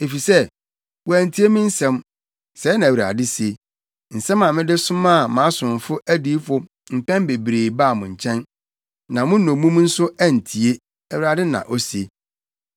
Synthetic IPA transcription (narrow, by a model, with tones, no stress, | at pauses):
e˨fi˨sɛ˦ | wɔ˨æ˨n̩˨tʰi˦e˦mĩ˦n̩˦sɛ̃˦m | sɛː˨˦nã˨æ˨wɥɾa̰˨dɪ˦si˨e˨ | n̩˨sɛ̃˦mã˨mɪ̃˦dɪ˦sʊ̃˦mã˦˨mã˨˦sʊ̃˨n˨fʊ˦ʔæ˦diː˦fʊ˦ | m̩˨pɛ̃˦mbe˨bɾeː˨baː˦˨mʊ̃˨ɲ̩˨t͡ɕʰɛ̃˦n | nã˨mʊ̃˦nɔ̃˨˦mũ˦mn̩˦sʊ˦æ˦˨n̩˨tʰi˨e˦ | æ˨ɥɾa˨dɪ˦nã̰˨ʔɔ˦si˨e˨